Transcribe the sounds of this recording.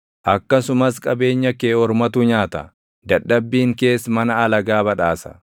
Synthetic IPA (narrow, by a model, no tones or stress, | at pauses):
ʔɐkːɐsʊmɐskʼɐbe̞ːɲːɐkeːɔɾmɐt̪uɲaːt̪ɐ̰ | d̪ɐᶑːɐbːiːŋke̞ːsmɐnɐːlɐɡaːbɐᶑaːsɐ̥̰